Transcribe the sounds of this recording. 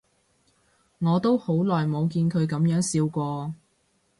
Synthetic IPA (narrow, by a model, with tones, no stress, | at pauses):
ŋɔː˨˧t̪o˥who˨˥wlɔː˨˩jmo˨˧wkiː˧nkʰɵ˨˧ɥkɐ˨˥mjœː˨˥ŋsiː˧wkʷɔː˧